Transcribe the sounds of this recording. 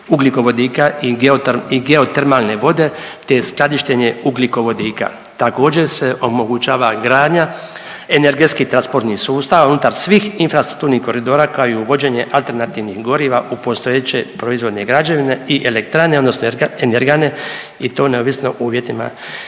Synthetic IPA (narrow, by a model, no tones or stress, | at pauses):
uɡliko̞ʋo̞d̪iːkaioiɡeo̞t̪eɾmalne̞ʋo̞d̪e̞t̪e̞sklˠad̪iʃt̪eɲe̞uɡliko̞ʋo̞d̪iːka̰ | t̪ako̞ːd͡ʑe̞se̞ʔo̞mo̞ɡut͡ʃaːʋaɡɾaːd̪ɲa | eneɾɡe̞t̪skit̪ɾanspo̞ɾt̪nihsuːst̪aːʋaunut̪aɾsʋiːxinfɾast̪ɾu̥kt̪uːɾnihko̞ɾid̪o̞ːɾakaoiuʋo̞d͡ʑe̞ːɲe̞ʔalt̪e̞ɾnat̪iʋnixɡo̞ɾiːʋaʔupo̞st̪o̞jet͡ɕe̞pɾo̞izʋo̞d̪neɡɾad͡ʑaʋineiʔelek̚t̪ɾane̞od̪no̞snoeneɾɡane̞ | it̪o̞ːne̞oʋisno̞̰ʔuːʋjet̪ima̰